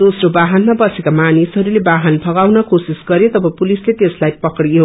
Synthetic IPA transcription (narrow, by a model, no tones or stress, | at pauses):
d̪osrobaɦanmabʌsekamanisɦʌɾulebaɦanbʱʌɡawnʌkosisɡʌɾjet̪ʌbʱʌpulislet̪eslajpʌkɽijo